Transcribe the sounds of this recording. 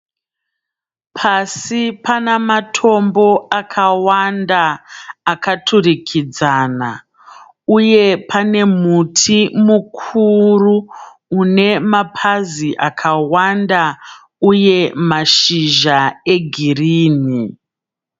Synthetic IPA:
pʰasipanamatʰo̞mbo̞akʰawandaː | katʰurikʰid͡zaːna̰ | uje̞pʰane̞mutʰimukʰuruː | ne̞mapʰaziʔakʰawanda | uje̞maʃiʒae̞ɡʱiriːni

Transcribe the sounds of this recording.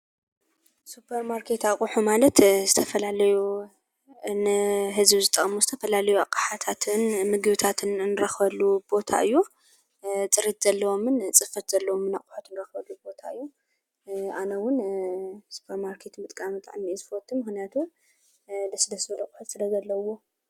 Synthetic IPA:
supʰɐɾmaɾkʰe̞t̪akʼuħumalɐt̪zɨt̪ʰɐfɐlalɐju | nɨɦɨzbzɨt̪ʼːɐkʼmuzɨt̪ʰɐfɐlalɐjuakʼːaħat̪ʰat̪ʰɨnmɨɡɨβɨt̪ʰat̪ʰɨnnɨɾɐxbɐlːub̥o̞t̪ʰa̰ʔɨjːu | t͡sʼɨɾit̪z̥ɐlːɐwo̞mɨnt͡sʼɨfɐt̪z̥ɐlːɐwomɨnaqʼʊ̥ħut̪nɨɾɐxbɐlːubo̞t̪ʰaɨjːu | anɐwʊn | su̥pʰɐɾmaɾkʰe̞t̪mɨt̪ʼkʼamɨt̪ʼa̰ʕnizɨfot̪ʰːumɨxnijat̪ʰu | lɐsɨd̪ɐsbɐlɐkʼuħut̪sɨlɐzɐlːɐwo̞

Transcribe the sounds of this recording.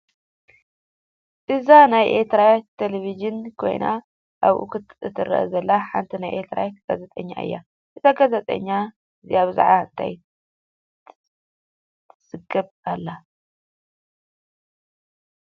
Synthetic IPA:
ʔɨzanajʔeɾt̪ʰɾat̪ʰeleβid͡ʒɨnkʰo̞̰jna | ʔaβʔṵkʰɨt̪ɨt̪ʰɨɾɐ̰ʔɐ̰zɐlːaħa̰nt̪ʰinajʔet̪ʰɾa̰jɡ̥azet̪ʼɐɲːa̰ʔɨ̰jːa̰ | ʔɨt̪aɡazɐt̪ʼɐ̰ɲːa | ɨziaβɨza̰ʕaɨnt̪ʰa̰j | sɨɡɐβ | alːa

